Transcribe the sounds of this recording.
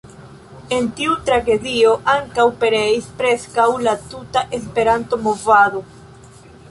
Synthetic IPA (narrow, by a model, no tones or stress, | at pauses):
e̞ntiutɾaɡe̞dio̞ʔaŋkawpe̞ɾe̞ispɾe̞skawlatutaʔe̞s̬pe̞ɾanto̞mo̞vado̞